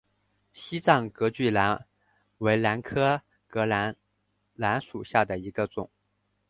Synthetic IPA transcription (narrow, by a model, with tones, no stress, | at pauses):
ɕi˥t͡sɑ˥˩ŋkɤ˧˥t͡ɕy˥˩la˧˥n | we˧˥ɪla˧˥nkʰɤ˥ | kɤ˧˥la˧˥ | la˧˥nʂu˨˩ɕja˥˩d̪ə˩i˧˥ɡ̥ə˧t͡sʊ̰˨˩˦